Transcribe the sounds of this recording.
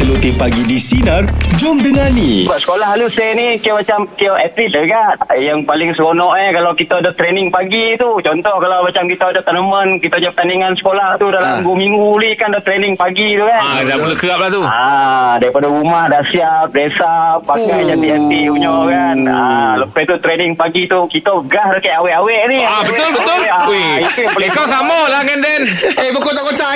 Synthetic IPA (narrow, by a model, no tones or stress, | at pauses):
əlut̪ipaɡidisinərd͡ʒʊmdəŋanːibaʔsə̥kolaɦalusenikəmat͡ʃamkiaʔɛt̪lisəɡaʔjaŋpalɪŋsəɡonɔʔnɛkalawkit̪aadat̪ɾenɪŋpaɡit̪ut͡ʃɔnt̪ɔhkalawmat͡ʃamkit̪aadat̪ənəmə̃nkit̪auɲapət̪aniŋansə̥kolaht̪udalamɡumiŋɡulikandat̪ɾenɪŋpaɡit̪ukandapəlukəap̚laht̪uadaɾipadaɾumahdaʔsiap̚desapːakajd͡ʒant̪iɛnt̪iuɲoʔkanə̰ləpajt̪ut̪ɾenɪŋpaɡit̪ukit̪əɡahɾakaʔawɛʔawɛʔniabəʊlbət̪ʊlaweikɾipəlekɔsamalakandɛnebəkot̪aʔkot͡ʃa